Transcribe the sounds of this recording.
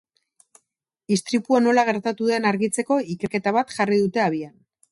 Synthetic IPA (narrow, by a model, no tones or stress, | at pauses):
ist̪ɾipuano̞laɣ̞e̞ɾt̪at̪uðe̞naɾɣit͡se̞ko̞ike̞ɾke̞t̪aβat̪ʝariðut̪e̞aβ̞ian